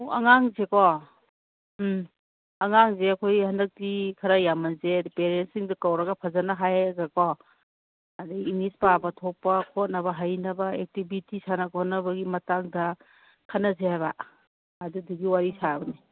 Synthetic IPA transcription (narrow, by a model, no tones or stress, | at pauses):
ɐŋaŋzekɔ | ɐŋaŋzeɐkʰojhɐndɐk̚tikʰɐɾajamɐnzedpeɾensiŋdɐkawɾɐɡapʰazanaɦajɡakɔ | adiiŋispabɐtʰɔk̚pːɐkʰɔt̚nɐbɐɦajnɐbɐek̚tibitisanaɐkɔhnɐbɐɡimɐtaŋdɐ | kʰanɐzehajba̰ː | duduɡiwaɾisabɐni